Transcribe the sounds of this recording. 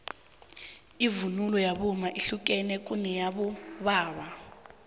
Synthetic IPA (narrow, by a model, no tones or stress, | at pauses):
ivunulɔjaɓumaʔiɬuk̬ʼɛnɛk̬ʼunɛjaɓɔβaːβa